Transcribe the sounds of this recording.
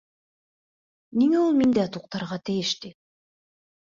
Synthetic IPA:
niŋeulˠmind̪eɑt̪uq̚t̪ɑɾʁɑt̪ijiʃt̪i

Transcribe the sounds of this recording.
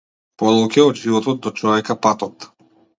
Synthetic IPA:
pɔd̪ɔlˠkʲɛɔd̪ʒivɔt̪ɔt̪̚d̪ɔt͡ʃɔvɛkapat̪ɔt̪

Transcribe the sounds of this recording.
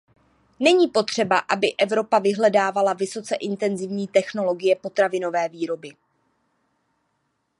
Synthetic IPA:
nɛɲiːpo̞t̪r̝̥ɛbaʔabɪʔɛvɾo̞pavɪɦlɛdaːvalavɪso̞t͡sɛʔɪnt̪ɛnzɪvɲiːt̪ɛxno̞lo̞ɡɪjɛpo̞t̪ɾavɪno̞vɛːviːɾo̞bɪ

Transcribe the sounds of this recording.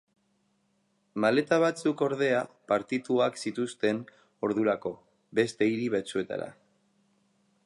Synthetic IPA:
male̞t̪aβ̞at͡suko̞ɾð̞e̞apaɾt̪it̪uaksit̪ust̪e̞n | o̞ɾðuɾako̞ | be̞st̪e̞iɾiβet͡sue̞t̪a̰ɾa̰

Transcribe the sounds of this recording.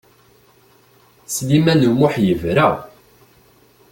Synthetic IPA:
slimænəwʊħjəvɾæ

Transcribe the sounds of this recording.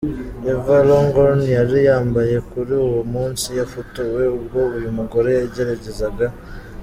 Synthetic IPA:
evaloŋɡonjaɾijaːmbaje̞kuɾiuwumuːnsijafotuwe̞ubɡo̞βujumuɡo̞ɾe̞jaɟe̞ɾaɟe̞zaɡa

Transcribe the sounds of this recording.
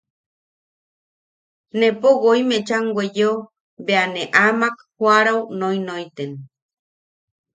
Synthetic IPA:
nepoɣojmẽt͡ʃaŋɡʷwʷejo | beaneʔamakhwaɾawnojnojt̪en

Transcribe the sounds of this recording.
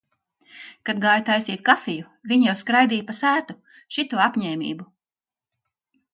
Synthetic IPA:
kad̪ɡaːjt̪ajsiːt̪̚kafiju | vʲiɲjawskɾajd̪iːjpasæːt̪u | ʃit̪uapʲɲɛːmʲḭːbu

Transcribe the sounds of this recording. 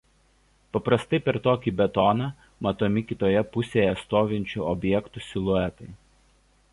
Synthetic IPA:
pɐpɾɐst̪ɐɪpʲɛɾt̪oːkʲiːbʲɛt̪ɔnɑː | mɐt̪oːmʲɪkʲɪt̪oːjɛpʊsʲeːjɛst̪oːʋʲɪnʲt͡ʃʲuːɔbʲjɛkt̪ʊsʲɪlˠʊɛt̪ɐɪ

